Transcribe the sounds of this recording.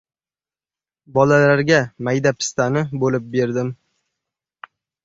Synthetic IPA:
bɒlalaɾɡʲamajd̪apʰɪ̥st̪anɪbolɪp̚be̞ɾd̪ɪm

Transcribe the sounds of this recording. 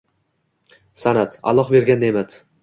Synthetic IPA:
sanat̪a̰lˠɒχbe̞ɾɡʲand̪emat̪

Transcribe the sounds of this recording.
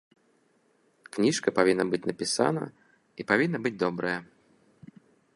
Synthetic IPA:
knʲiʂkɐpavʲinːɐbɨt͡sʲnɐpʲisa̰nɐ̰ | ipavʲinːɐbɨd͡zʲd̪ɔbɾɐjɐ

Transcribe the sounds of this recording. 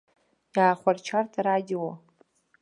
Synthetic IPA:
jaːχʷart͡ʃʰartʰaɾadʲiwo

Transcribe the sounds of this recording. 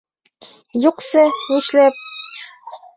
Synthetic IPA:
juqsɤniʃlæp̚

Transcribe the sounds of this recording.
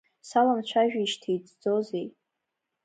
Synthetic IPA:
salamt͡ʃʷʰaʒᶣaiʃtʰejd͡zd͡zozej

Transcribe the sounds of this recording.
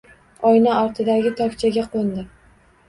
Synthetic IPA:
ɒjnaɒɾt̪ʰɪd̪aɡʲɪt̪ʰɒkʲt͡ʃʰaɡʲaqʰond̪ɪ

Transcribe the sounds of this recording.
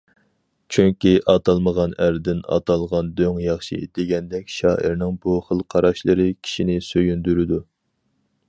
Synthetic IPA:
t͡ʃʰyŋkʲiʔɑt̪ʰɑlˠməʁɑnæɾd̪ɪnɑ̰t̪ʰɑlˠʁɑnd̪øŋjɑχʃḭd̪eɡʲɛnd̪ɛkʲʃɑːʔiɾnɪŋbuχəlˠqʰɑɾɑʃlˠɨɾɨkʲʰi̥ʃinɪsøjynd̪yɾɪd̪u

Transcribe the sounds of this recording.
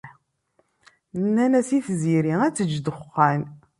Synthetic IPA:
nːænæsiθziɾiæt͡sːəd͡ʒːd̪əχːæn

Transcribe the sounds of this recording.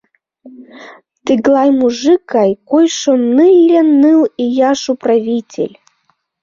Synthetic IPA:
t̪ɨɡlˠajmuʐɨkajkojʃomnɨlʲɛnːɨlˠijaʂupravʲitʲḛlʲ

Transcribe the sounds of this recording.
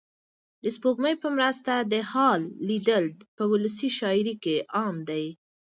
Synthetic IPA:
d̪əspoɡməjpəmɾəst̪ad̪əhɑlːid̪əld̪pəwʊləsiʃɑɪɾikeʔɑmd̪aj

